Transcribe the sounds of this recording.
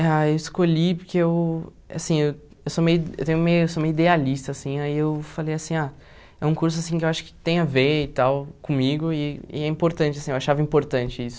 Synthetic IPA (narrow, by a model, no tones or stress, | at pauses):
aewiskoʎipoɾkʰeew | a̰sĩew | ewsomejḛwt̪ẽj̃ũmejesomejid̪ealist̪ɐːsĩaiewfalejasĩa | ɛũkuɾsʊasĩkɪewaʃʊ̥kɪ̥t̪ẽj̃ɐveit̪awkõmiɡʊɪ̰ːɛĩpoɾt̪ɐ̃t͡ʃɪɐsĩewaʃavɐĩmpoɾt̪ɐ̃t͡ʃɪisʊ̥